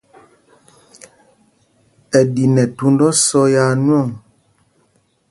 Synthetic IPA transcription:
ɛ˨di˨nɛ˨tu˦n˦dɔ˦sɔ˦ja˦nwɔ˦˨ŋ

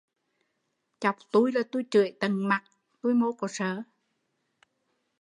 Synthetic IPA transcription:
t͡ɕa˨˩wk͡p̚t̪u˧jlaː˨˩t̪u˧jt͡ɕɨ̰˧˨əjt̪ə˨˩ŋma˨˩t̚ | t̪u˧jmo˧˦kɔ˧˩səː˧˩˦

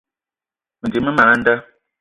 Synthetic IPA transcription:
mə˨d͡ʒi˨mə˦ma˨na˦n̩˦də˦

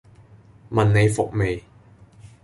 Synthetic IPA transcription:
mɐ˨nne˨˧jfʊ˨k̚me˨j

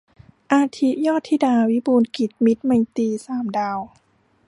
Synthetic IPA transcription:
ʔaː˧t̪ʰi˦˥jɔː˥˩t̪ʰːiː˥˩daː˧wi˦˥buː˧nki˨˩t̪̚mi˦˥t̪̚ma˧jt̪iː˧saː˩˦mdaː˧w

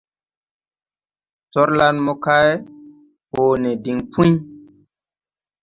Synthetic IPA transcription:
tɔ˦ɾla˦nmo˦ka˦j | hoː˨nɛ˨di˨ŋpʰu˦j

